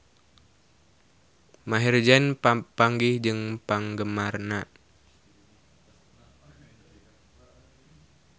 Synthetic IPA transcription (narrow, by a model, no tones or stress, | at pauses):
maɦird͡ʒɛnpaŋɡihd͡ʒɨŋpaŋɡəmarna